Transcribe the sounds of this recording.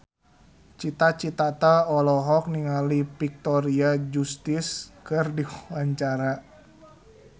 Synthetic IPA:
t͡ʃit̪at͡ʃit̪at̪aɔlɔɦɔk̚niŋalipik̚t̪ɔɾiad͡ʒust̪ɪskɨrdiwwaɲt͡ʃaɾa

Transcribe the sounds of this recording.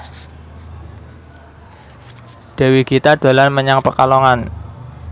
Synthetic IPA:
d̥ɛ̤wiɡit̪ad̪̥a̤lanməɲaŋpəkalɔŋan

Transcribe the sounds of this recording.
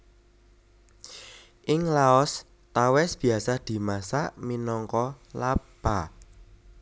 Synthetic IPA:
ʔɪŋlaɔs | t̪awɛsb̥i̤asad̪̥i̤masaʔminɔŋkɔlab̥a

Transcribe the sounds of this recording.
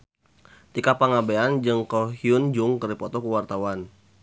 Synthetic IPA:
t̪ikapaŋabeand͡ʒəŋkɔɦiʊnd͡ʒʊŋkəripɔt̪ɔkəwart̪awan

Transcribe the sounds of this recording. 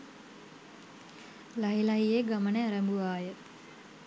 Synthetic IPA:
laɦilɐɦijeɡamənəaɾɐmbuʋaːjə

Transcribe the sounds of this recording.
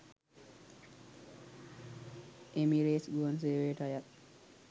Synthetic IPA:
ʔemiɾeːsɡuənseːʋeːʈajəɾ

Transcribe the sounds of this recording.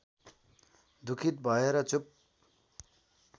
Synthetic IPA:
d̪ukʰit̪̚bʱʌeɾʌt͡sup̚

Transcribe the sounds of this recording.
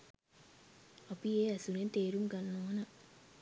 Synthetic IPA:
ɐpijeːɐsunent̪eːɾumɡɐnːoːɐnɐ

